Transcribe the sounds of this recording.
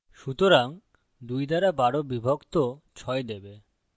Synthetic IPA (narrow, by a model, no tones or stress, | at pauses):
ʃut̪oɾaŋ | d̪ujd̪ʱaɾabaɽobibʱokt̪ot͡ɕʰɔed̪ebe